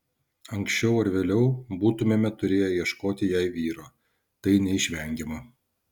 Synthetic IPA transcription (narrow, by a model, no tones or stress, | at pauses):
ɐŋksʲt͡ʃʲɛʊɐɾʋʲeːlʲɛʊbuːt̪ʊmʲeːmʲɛt̪ʊɾʲeːjɛjiɛʃkoːt̪ʲɪjɛɪʋʲiːɾoː | t̪ɐɪnʲɛɪʃʲʋʲɛŋʲɡʲemɐ